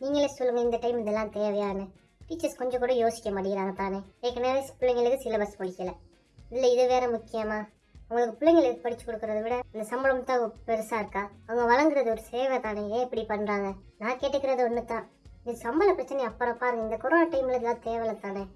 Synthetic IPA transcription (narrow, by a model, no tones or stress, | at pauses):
niːŋɡɐleːsɔlːɯŋɡɐɪnd̪ɐʈɐɪmðɛlːãːt̪eːʋɐjaːnːɯ | ʈiːt͡ʃɐɾskɔɲd͡ʒɐ̃kʊɽɐ̃joːsɪ̥kːɐmɐɽɪkɪɾaːŋɡɐt̪aːneːkeːkːɐɳjaːʋepʊlːɐŋɡɪlɯkːɯsɪlɐbɐspɐɽɪkːɐlɐ | ɪðɪlːɐɪðɯʋeːɾɐmʊkːɪjɐmaː | ʊŋɡɐɭɯkːɯpʊlːɐŋɡɪlɯkːɯpɐɽɪt͡ʃːɯ̥kːɔɽɯkːɯɾɐðɯʋɪɽɐɪnd̪ɐsɐmbɐlɐmɐt̪ːaːɣɐpɛɾɐsaːɪɾɯkːaːɐʋɐŋɡɐʋɐlɐŋɡɪɾɐðɯɔɾɯseːʋɐt̪aːneẽːɛpːɐɽipɐnːɾaːŋɡɐ | nãːkeːʈːɯkːɪɾɐðɯɔnːɯt̪ãː | ɪnɐsɐmbɐlɐpɪɾɐt͡ʃːɐnɛjɐpːɐɽɐpːaːɾɯŋɡɐɪnd̪ɐkɔɾoːnaːʈɐɪmɪlðɛlːãːt̪eːʋɛlɐt̪aːne